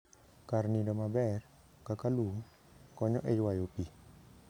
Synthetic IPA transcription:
karnidɔmabɛr | kakaluŋ | kɔɲɔʔejwajopi

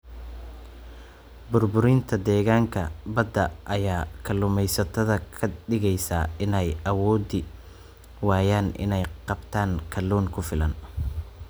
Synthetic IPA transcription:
bʊrbʊɾɪnt̪ʰɐd̪ɛːɣaːŋkʰɐbɐd̪ɐʔɐjaːkʰɐlːʊːmɛjsɐt̪ʰɐðɐkʰɐɖɪɣɛjsa̰ːɪnɛjʔɐwɔːd̪ɪ | wɑːjaːnʔɪ̰nɛjqɑbt̪ʰaːŋkʰɐluːŋkʰʊfɪlɐn

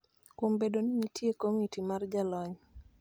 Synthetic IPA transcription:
kumbedoniɲitʰjekomitimard͡ʒalɔɲ

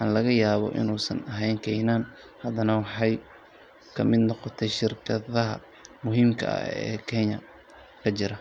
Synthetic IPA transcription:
wħɑːnlɐɣɐjaːβɔ̰ʔɪ̰nuːsɐ̰nɐɦɛjŋkʰɛjnaːn | hɐd̪ɐnɐwɑħɑj | kʰɐmɪd̪nɔqɔt̪ʰɛjʃɪrkʰɐðɐɦɐ̰ | mʊɦiːmkʰɐ̰ɐ̰ɛ̰ːkʰɛnjɐ | kʰɐt͡ʃɪɾɐ

